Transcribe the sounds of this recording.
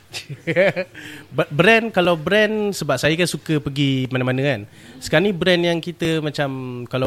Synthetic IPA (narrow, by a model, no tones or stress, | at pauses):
bbɾɛnkalawbɾɛnsəbap̚sajəkansukəpəɡimanãmanə̃an | sə̥kanibɾɛnjaŋkit̪əmãt͡ʃamkala